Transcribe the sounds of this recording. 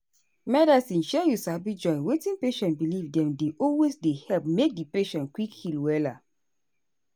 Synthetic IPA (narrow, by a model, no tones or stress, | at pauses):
mɛdasĩnʃɛjusabid͡ʒɔ̃nwetĩnpeʃɔ̃nbilivdɛ̃mdeʔɔlwesdehɛlpmek̚dipeʃɔ̃nkwikhilwɛla